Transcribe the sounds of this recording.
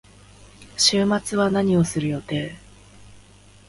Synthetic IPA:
ɕɨːmat͡sɨβanaɲ̟io̞sɨɾɯ̟jo̞t̪e̞ː

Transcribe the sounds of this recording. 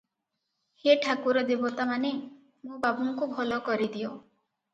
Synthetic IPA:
heʈʰakuɾɔd̪ebɔt̪amane | mũbabuŋkubʱɔlɔkɔɾid̪io

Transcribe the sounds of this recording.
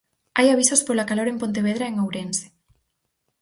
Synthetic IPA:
ajaβisospolakaloɾempont̪̬eβ̞eðɾaeŋowɾense̥

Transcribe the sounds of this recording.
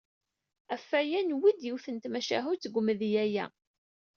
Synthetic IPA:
æfːæjænwid̪jiwθənt̪mæʃæ̰ɦut͡sːɡʷmðjæjæ̰

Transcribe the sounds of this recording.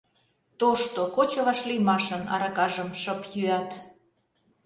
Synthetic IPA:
t̪oʃt̪okot͡ɕoβɑʃlijmɑʃənɑ̰ɾɑkɑʒəmʃɤpjyɑt̪

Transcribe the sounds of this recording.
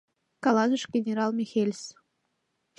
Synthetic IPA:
kɑlˠɑzə̆ʃɡʲenʲeɾɑlˠmʲixelʲs

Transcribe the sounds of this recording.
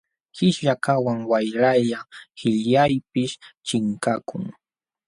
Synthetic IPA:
hɪʃʎakawaŋwajɾaʎahɪʎjajpɪʃt͡ʃɪŋkakʊŋ

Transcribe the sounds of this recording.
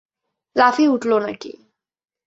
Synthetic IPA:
lafiuʈlonəkḭ

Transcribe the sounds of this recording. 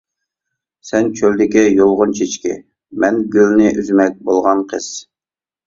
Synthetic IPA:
sɛnt͡ʃʰøld̪ɪkʲɛjolˠʁʊnt͡ʃʰet͡ʃkʲɪ̰ | mɛnɡʲylnɪʔyzmɛk̚ʲbolˠʁɑnqʰəz̥

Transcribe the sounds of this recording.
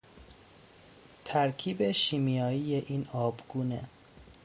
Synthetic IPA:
t̪ʰæɾkʰiːbeʃiːmijɒːiːjeʔiːnɒːbɡuːne

